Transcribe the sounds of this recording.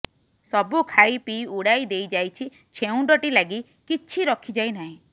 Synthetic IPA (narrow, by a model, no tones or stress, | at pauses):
sɔbukʰaipiuɽaid̪ejd͡ʒajt͡ʃʰi | t͡ʃʰeũɖɔʈilaɡi | kit͡ʃʰiɾɔkʰid͡ʒainaɦĩ